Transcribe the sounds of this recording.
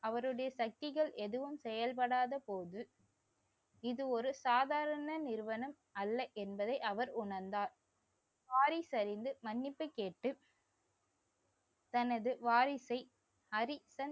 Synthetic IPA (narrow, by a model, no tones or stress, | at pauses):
ɐʋɐɾɯɽɐjɐsɐk̚t̪ɪɣɐɭɛðɯʋɯmsɛjɐlpɐɽaːðɐpoːðɯ | ɪðɯɔɾɯsaːðaːɾɐnɐnɪɾʋɐnɐm | ɐlːɐʔɛnbɐðɐɪʔɐʋɐɾʊɳɐɾnd̪aːɾ | ʋaːɾɪsɐɾɪnd̪ɯmɐnːɪpːɐɪkːeːʈːɯ | t̪ɐnɐðɯʋaːɾɪsɐɪ | ɐɾɪsɐn